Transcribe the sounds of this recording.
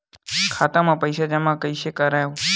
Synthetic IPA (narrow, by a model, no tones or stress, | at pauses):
kʰat̪amãpəjʃad͡ʒɛmãkəiʃekəɾajo